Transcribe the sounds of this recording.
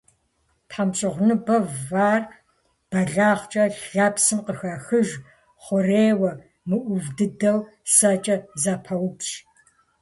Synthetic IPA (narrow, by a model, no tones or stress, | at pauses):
pħamɕʼɪʁʷnɨbɐvvaːr | b̥ɐɮaːχt͡ʃʼɐɬaːpsɨmqəxɐxɨʒ | χʷʊreːwɐ | mɨʔʷʊvdɨdɐw | sɐt͡ʃʼɐzapʰɐwpʃ